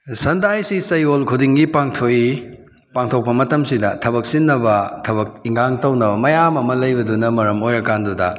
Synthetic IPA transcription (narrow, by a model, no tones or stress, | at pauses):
sɐndajsisɐjolkʰudiŋɡipaŋtʰoi | paŋtʰok̚pɐmɐtɐmsidɐtʰɐβɐk̚sinːɐbɐtʰɐbɐk̚iŋɡaŋtɐwnɐbɐmɐjamɐmɐlɐjbɐdunɐmɐɾɐmojɾɐkandudɐ̰